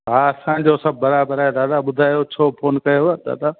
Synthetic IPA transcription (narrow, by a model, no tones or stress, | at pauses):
ɦaɐsãːɲ̆d͡ʑosɐb̚ʱːɐɾaːbəɾaːjed̪aːd̪aːɓʊd̪ʱaːjot͡ɕʰoːpʰoːnkɐjoɦad̪a̰ːd̪a